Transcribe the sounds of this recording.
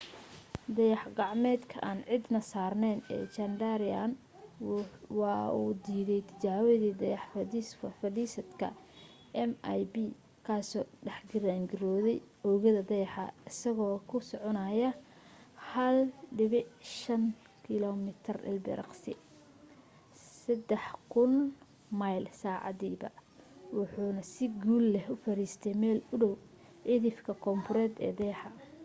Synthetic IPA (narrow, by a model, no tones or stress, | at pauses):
d̪ɐjɑħɡɑʕmɛːd̪kʰɐʔaːnʕɪd̪nɐsaːrnɛnɛ̰ːt͡ʃɐndaɾɪa̰n | wɑuːd̪iːðɛjt̪ʰɪ̥t͡ʃaːwɔðiːd̪ɐjɑħfsfɐdiːsɐd̪kʰɐ̰ | ʔɛmajbiː | kʰaːsɔːɖɛħɡɪɾaːŋɡɪɾɔːðɛj | ɔɣɐðɐd̪ɐjɑħɑ̰ɪsɐɣɔːkʰʊsɔʕɔnajɐ | hɐlɖɪβɪʕʃɐŋ | kʰɪlɔmɪt̪ʰɪrɪ̰lbɪ̰ɾɑ̰qsɪ̰ | sɐd̪ɛħkʰʊn | majlsaːʕɑ̰ðiːbɐ̰wʊħuːnɐsɪɡuːlːɛhʊfɐɾiːst̪ʰɛjmɛːlʊɽɔw | ʕɪðɪfkʰɐkʰɔmpʊɾɛːd̪ɛ̰ːd̪ɛjħɑ